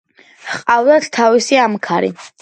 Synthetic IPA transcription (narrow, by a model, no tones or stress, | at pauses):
qʼavd̪at̪ʰt̪ʰavisiamkʰaɾḭ